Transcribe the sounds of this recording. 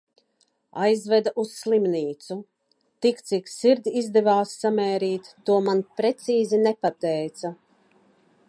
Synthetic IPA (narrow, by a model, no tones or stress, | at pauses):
ajzvɛd̪aʔusslˠimniːt̪su | t̪ikt̪siksiɾd̪ʲizd̪ɛvaːsːamɛːɾiːt̪ːuɔmanpɾɛt̪siːzinɛpat̪ɛjt̪sa